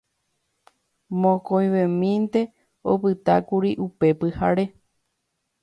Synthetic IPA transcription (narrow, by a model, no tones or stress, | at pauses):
mõkojʋẽmĩnt̪e̞ | o̰pɨt̪akuɾiʔupe̞pɨhaɾe̞